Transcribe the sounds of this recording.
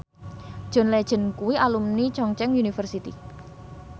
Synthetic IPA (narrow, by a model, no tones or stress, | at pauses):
d̥ʒ̥ɔ̤nlɛd̥ʒ̥ə̤nkuwiʔalumnit͡ʃɔŋt͡ʃɛŋunifərsit̪ḭ